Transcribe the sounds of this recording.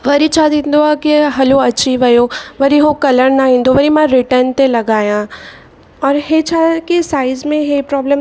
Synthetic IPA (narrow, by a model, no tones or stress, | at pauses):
ʋɐɾit͡ʃʰaːd̪ĩnd̪oakeɦɐloɐtːʃʰiʋɐjoːʋɐɾiɦõkɐləɽnaĩːnd̪oʋɐɾimãɾɪʈəɾnt̪elɐɡaːjã | ɔːɾɦet͡ʃʰakesaːɪzmẽɦepɾɔːbləm